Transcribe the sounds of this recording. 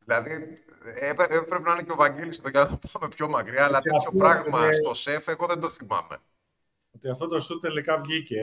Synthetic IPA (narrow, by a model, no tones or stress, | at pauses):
ðilɐði | epepɾe̞penɐineceovɐɲɟelist̪oʝɐt̪ɐpɐme̞pço̞mɐkɾiɐːlɐt̪eço̞pɾɐɣmɐst̪o̞se̞fe̞ɣo̞ðend̪o̞θimɐ̰me̞̰ | ot̪iɐft̪ot̪osut̪elikɐvʝice